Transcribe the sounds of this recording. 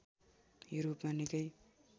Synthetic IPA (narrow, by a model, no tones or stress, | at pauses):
juɾopmanikʌj